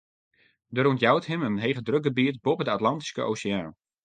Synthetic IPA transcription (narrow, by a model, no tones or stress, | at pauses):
dəɾuntjawthɦɪmənɦejχədrøk̚ɡəbiətbopədəatlɑnti̥skəʔo̰ːsəaːn